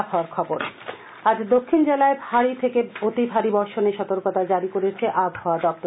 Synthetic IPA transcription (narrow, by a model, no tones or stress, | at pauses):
bɦaoaɾkʰɔboɾ | ad͡ʑd̪okʰːind͡ʑelaebʱaɽit̪ʰekeot̪ibʱaɽibɔɾʃoneʃɔt̪oɾkot̪ad͡ʑaɾikoɾet͡ɕʰeʔabʱːaoadɔb̚t̪o